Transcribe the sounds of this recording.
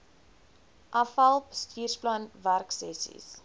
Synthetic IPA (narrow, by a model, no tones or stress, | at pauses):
ʔɐfɐlˠpstʰiːrsplanværksɛ̰sḭs